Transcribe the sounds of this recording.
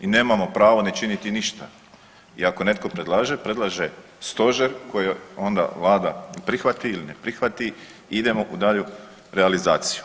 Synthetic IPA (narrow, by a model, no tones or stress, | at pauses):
ine̞ːmamo̞pɾaːʋone̞t͡ʃinit̪iniʃt̪a | ḭako̞ne̞t̪ko̞pɾe̞d̪lˠaːʒe̞pɾe̞d̪lˠaʒe | st̪o̞ʒeɾko̞jeo̞nd̪a̰ʋlˠaːd̪anpɾixʋat̪iilinepɾixʋat̪i | id̪e̞mo̞ʔud̪aʎu | ɾealizaːt̪si̥ju̥